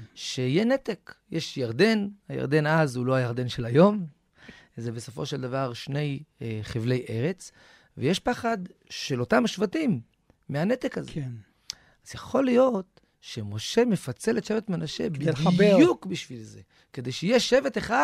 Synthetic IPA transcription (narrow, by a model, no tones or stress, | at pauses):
ʃeijenet̪ekjʔeʃjaʁd̪e̞nhaja̰ʁd̪e̞nazulo̞ajaʁd̪e̞nʃelajo̞m | zebeso̞fo̞ʃeld̪avaʁʃne̞jχevle̞jʔe̞ʁe̞t͡s | veje̞ʃpaχad̪ʃelo̞t̪amaʃvatimː | eane̞t̪ekaze | azjaχo̞lijo̞t̪ | ʃemo̞ʃe̞mefat͡se̞let̪ʃe̞vet̪menaʃe̞̰biukbiʃvilze̞ | ked̪e̞jʃeijeʃevet̪eχa